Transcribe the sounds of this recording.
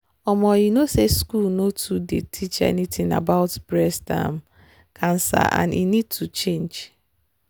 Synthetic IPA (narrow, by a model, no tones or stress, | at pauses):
ɔmɔinoseskulnotʰudetʰit͡ʃɛ̰nitʰɪ̃ŋa̰baʊtbɹɛsda̰m | kʰãnsa̰ʔã̰nḭnid̚tʰut͡ʃẽnd͡ʒ